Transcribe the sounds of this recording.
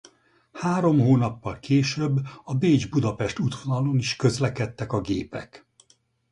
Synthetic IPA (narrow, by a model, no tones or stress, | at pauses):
haːɾo̞mɦoːnɒpːɒlkeːʃøbːɒbeːd͡ʒbud̪ɒpɛʃt̪ut̪ʋo̞nɒloniʃkø̞zlɛkɛt̪ːɛkɒɡḛːpɛ̰k